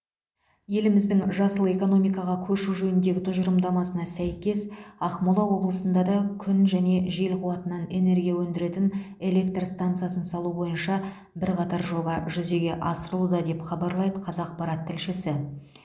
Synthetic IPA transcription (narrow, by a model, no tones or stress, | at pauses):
je̞lɪmɪzd̪ɪŋʒɑsəlˠe̞ko̞no̞mijkɑʁɑkʲʰɵʃuʒɵnɪnd̪e̞ɡʲɪt̪ʰʊʒəɾəmd̪ɑmɑsənɑsæjkʲe̞sɑχmolˠɑwo̞blˠəsənd̪ɑd̪ɑkʲʰʏnʒæne̞ʒe̞lqʰuwɑt̪ənɑne̞ne̞ɾɡʲijawɵnd̪ɪɾe̞t̪ɪn | e̞le̞k̚t̪rst̪ant̪sɨjasənsɑlˠubo̞jənʃɑ | bɪɾqɑt̪ɑɾʒo̞bɑʒʏze̞ɡʲe̞ʔɑsəɾəlˠud̪ɑd̪e̞pχɑbɑɾlˠɑjd̪əqʰɑzɑq̚pɑɾɑt̪ʰːɪlʃɪsɪ